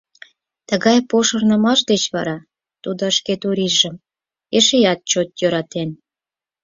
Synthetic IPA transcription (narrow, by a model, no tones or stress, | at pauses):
t̪əɣɑjpoʃərnə̆mɑʃd̪et͡ɕβɑ̰ɾɑ | t̪ud̪oəʃket̪uɾiʒə̆m | eʃejɑt̪̚t͡ɕot̪̚jøɾɑt̪en